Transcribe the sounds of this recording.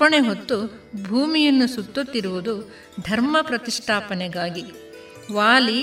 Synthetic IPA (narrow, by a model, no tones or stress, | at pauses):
pːɐɳeɦot̪ːu | bʱuːmijɐnːusut̪ːot̪ːiɾuʋud̪u | d̪ʱɐɾmɐpɾɐt̪iʂʈʰaːpɐnɛɡaːɡi | ʋaːli